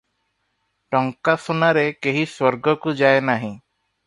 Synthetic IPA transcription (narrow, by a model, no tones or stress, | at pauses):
ʈɔŋkasɔnaɾekeɦiswɔɾɡɔkud͡ʒajenaɦĩ